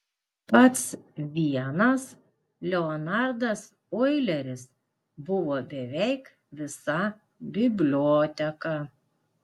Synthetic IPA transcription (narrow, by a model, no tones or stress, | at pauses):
pɐt̪sʋʲiɛnɐs | lʲɛɔnɑˑɾd̪ɐs | ɔɪlʲɛɾʲɪs | bʊʋoːbʲɛʋʲɛɪk | ʋʲɪsɐ | bʲɪbʲlʲoːt̪ʲɛkɑ